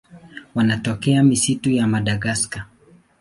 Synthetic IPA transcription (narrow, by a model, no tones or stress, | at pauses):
wanatɔkɛamisitujamaɗaɡaska